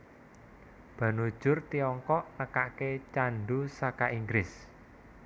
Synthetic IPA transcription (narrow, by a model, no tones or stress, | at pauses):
b̥ä̤nud̥ʒ̥ʊrt̪iɔŋkɔʔnəkaʔket͡ʃanɖusakaiŋɡɾɪs